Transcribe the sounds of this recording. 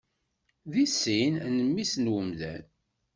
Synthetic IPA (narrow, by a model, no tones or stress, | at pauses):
ðisːinnəmːisnwəmðæ̰n